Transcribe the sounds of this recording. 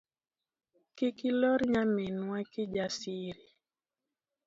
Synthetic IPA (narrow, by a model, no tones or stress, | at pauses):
kikilɔɾɲamɛnwakɪd͡ʒasiɾi